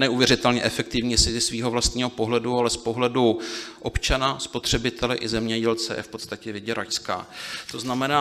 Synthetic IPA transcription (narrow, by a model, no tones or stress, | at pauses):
nɛʔuvjɛɾɪt̪ɛlɲɛʔɛfɛk̚t̪ɪvɲisɪzɪsviːɦo̞vlast̪ɲiːɦo̞po̞ɦlɛdualɛspo̞ɦlɛduʔo̞pt͡ʃanaspo̞t̪r̝̥ɛbɪt̪ʰɛlɪʔɪzɛmɲɛɟɛlt͡sɛ̰jɛ̰fpo̞t̪st̪acɛvɪɟɛɾajska̰ːt̪o̞znamɛnaː